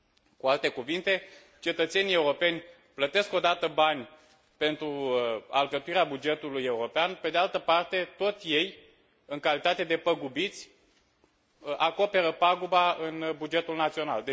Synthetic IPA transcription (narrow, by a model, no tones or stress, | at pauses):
kualt̪e̞kuvint̪e̞ | t͡ʃe̞t̪ət̪se̞nijeuɾo̞pe̞nʲ | plət̪e̞sko̞d̪at̪əbanʲ | pe̞nt̪ɾua̰lɡət̪uiɾeabud͡ʒe̞t̪uluje̞uɾo̞peanpe̞d̪ealt̪əpart̪e̞t̪o̞t̪sʲje̞j | ɨŋkalit̪at̪e̞d̪e̞pəɡubit̪sʲ | ʔako̞pe̞ɾəpaɡubaɨnbud͡ʒe̞t̪ulnat̪sio̞na̰ld̪e